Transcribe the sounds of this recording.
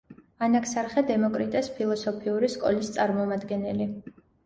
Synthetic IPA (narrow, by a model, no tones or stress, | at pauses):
anakʰsaɾχɛd̪ɛmɔkʼɾit̪ʼɛspʰilˠɔsɔpʰiuɾiskʼɔ̰list̪sʼaɾmɔmad̪ɡɛnɛli